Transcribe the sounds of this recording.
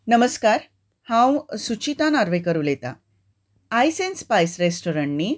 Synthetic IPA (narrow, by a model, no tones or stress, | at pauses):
nəməskaɾ | hãwsut͡ɕit̪ãnaɾʋekəɾuːlet̪a̰ | ajsenspajsɾesʈoɾəɳni